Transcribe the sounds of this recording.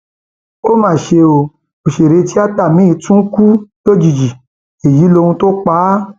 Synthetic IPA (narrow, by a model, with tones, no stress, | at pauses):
o˦mãː˦˨ʃe˧o˧˨ | o˨ʃe˨ɾe˧ti˦a˦k͡pa˦˨mĩ˨˦i˧˦tũ˦ku˦jo˦d͡ʒi˨d͡ʒi˨ | e˨ji˨˦lo˧hũ˧to˦k͡paː˨˦